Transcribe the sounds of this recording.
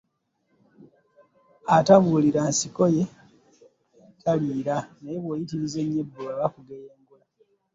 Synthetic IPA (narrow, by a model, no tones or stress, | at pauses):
ataβuːliɾansiko̞je̞ | kʰaliːɾanajeβweːjitiɾize̞ɲːebːuaβakuɡejeːŋɡula